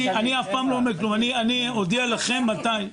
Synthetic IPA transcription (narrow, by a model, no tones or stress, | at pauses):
aniafpaːmlomeklumanianiod̪ialaχemːat̪aj